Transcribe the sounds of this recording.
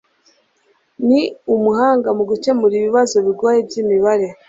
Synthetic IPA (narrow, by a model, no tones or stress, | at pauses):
niumuɦaːŋɡamuɡuce̞muɾiːβiβazo̞βiɡwaːjebjiːmiβaɾe